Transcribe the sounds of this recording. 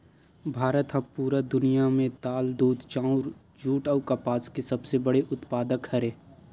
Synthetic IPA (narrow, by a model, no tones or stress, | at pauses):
bʱaːɾət̪ɦɐbpuːɾad̪ʊnijamẽt̪aːld̪uːd̪t͡ʃãːʊɾ | d͡ʒuːʈaːkɐpaːskesɐbsebɐɽeʔʊt̪paːd̪əkhɐɾẽː